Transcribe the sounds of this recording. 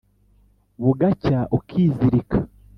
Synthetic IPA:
βuɡacaʔukʰiːziɾikʰḁ

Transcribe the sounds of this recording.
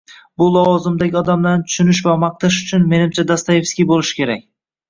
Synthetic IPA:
bʊlˠɒwɒzɪmd̪aɡʲɪɒd̪amlaɾnɪt̪ʰʊ̥ʃʊnɪʃ̬vamɑq̚t̪ʰaʃʊt͡ʃʰʊnme̞nɪmt͡ʃʰad̪ast̪aje̞fskʲibolˠɪʃɪ̥kʲʰe̞ɾakʲ

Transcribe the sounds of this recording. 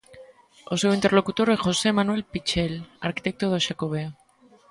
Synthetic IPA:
osewint̪eɾlo̞kut̪oɾexo̞se̞manwe̞lpit͡ʃelaɾkit̪e̞k̚t̪oðoʃakoβ̞ea

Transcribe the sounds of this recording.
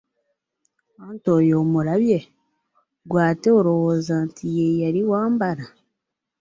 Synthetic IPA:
antojoːmuɾaβje | ɡwaːteoɾowozaːntʰijejaɾiwaːmbaɾa

